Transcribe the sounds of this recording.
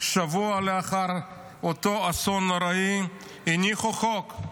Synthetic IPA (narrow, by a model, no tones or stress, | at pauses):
ʃavualeaχaɾ | ot̪oasonɾai | iniχoχok